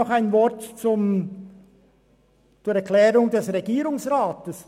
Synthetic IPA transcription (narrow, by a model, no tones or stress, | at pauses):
ɔχaɪnvɔɾtt͡sʊm | t͡suːɾɛklɛːɾʊŋdɛsʁeɡiːɾʊŋsʁaːtəs